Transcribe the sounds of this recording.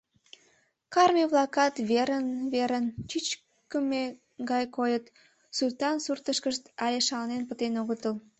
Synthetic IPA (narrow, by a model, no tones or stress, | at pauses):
kɑrmʲiβlɑkɑt̪βeɾənβeɾənt͡ɕyt͡ɕ | kəme | ɡɑjkojət̪ | sulʲt̪ɑnsurt̪əʃkəʃt̪ɑlʲeʃɑlnenpət̪enoɣət̪əl